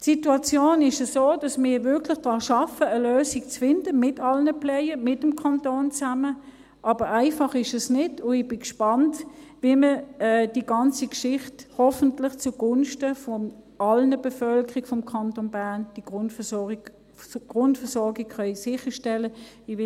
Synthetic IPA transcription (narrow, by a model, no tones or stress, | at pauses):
tsituɑt͡sjoːnɪʃəsoːd̥ɑsmɪːɐvɪɐkʰlɪχd̥ʁɑːʃɑfəəløːsikt͡sfɪnd̥əmɪtɑlnəplɛɪəmɪtəmkʰɑntoːnt͡samə | ʔɑːb̥əʁaɪfɑχɪʃɛsnɪdʊɪb̥ɪkʃpɑntviːməɛːd̥iɡɑnt͡sikʃɪχthɔfən̩tlɪχt͡suɡʊnʃtəfɔ | ɑlnəbɛfœlkəʁiɡfɔmkʰɑntonbæɐnd̥i̥ | ɡ̥ʁʊntfəɐsɔɡikχœʏsɪχəʃtɛlə | iɪ